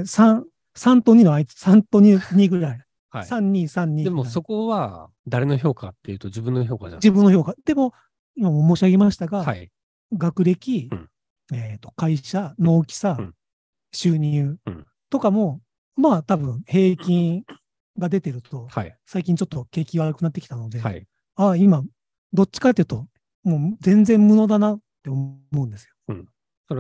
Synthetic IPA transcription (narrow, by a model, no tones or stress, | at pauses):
sã | sãnt̪oɲ̟ino̞ait͡sɨ̥sãnt̪o̞ɲ̟iɲ̟iɡɯ̟ɾai | hasãɲ̟ːĩsãɲ̟ːĩːd̪emoso̞ko̞βa | d̪aɾe̞no̞ço̞ːka̰t̪ːe̞jɯ̟ːt̪od͡ʑibɯ̟̃nːoço̞ːka̰d͡ʑibɯ̟̃nːo̞ço̞ːkad̪̥e̞mo̞ | imamo̞moːɕiaɡe̞maɕi̥t̪aɡaai | ɡakɯ̟ɾe̞kʲi | et̪ːo̞̥kaiɕano̞ːkʲi̥sa | ɕɨːɲ̟ɯː | t̪o̞kamo̞ | maːt̪abɯ̟̃ɴhe̞ːkʲĩŋ | ɡad̪e̞t̪e̞ɾɯ̟t̪o̞hasaikʲĩɲ̟t͡ɕo̞t̪ːo̞ke̞ːkʲiβaɾɯkɯ̟nat̪ːekʲi̥t̪ano̞d̪e̞̰ | aima | d̪o̞t͡ɕːi̥kat̪ːejɯ̟t̪o̞ | mo̞ːzẽ̞nzẽ̞mmɯ̟no̞d̪anat̪ːe̞omo̞ɯ̃nd̪e̞sɨjo̞̥ | o